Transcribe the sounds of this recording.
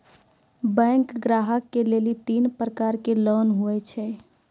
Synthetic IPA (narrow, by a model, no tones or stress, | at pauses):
bɛ̃ːŋkɡɾaːɦəkːeleːlit̪iːnpɾəkaːɾkeloːnɦuet͡ʃʰɛ